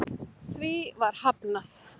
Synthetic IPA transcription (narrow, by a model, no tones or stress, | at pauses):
θvivaɾ̥hapnas